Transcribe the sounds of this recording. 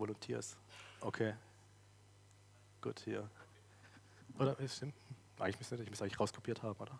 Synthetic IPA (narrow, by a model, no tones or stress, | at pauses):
volʊntʰɛːɐsʔokʰeː | ɡ̥uːthiːɐ | ʔoːɾɐʃtɪm̩ | ʔa̰ɪŋlɪçmʏsnɛtɪçmʏsʔaɪŋl̩ːɪçʁaʊskʰo̥pʰiːɐthaːbm̩oːdɐ